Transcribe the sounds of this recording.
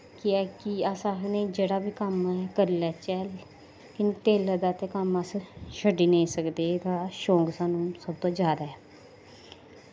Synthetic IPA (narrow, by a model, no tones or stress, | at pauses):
kɪɛːkɪəsãːnẽːd͡ʒeːɽaːbiːkəmɛkəɾlɛːt͡ʃɛːl | kɪnːt̪eːləd̪aːt̪eːkəməsʃəɖiːnẽĩsəkd̪eːt̪aːʃõːŋɡsãːnũːsəb̚t̪õːd͡ʒjaːd̪aːɛː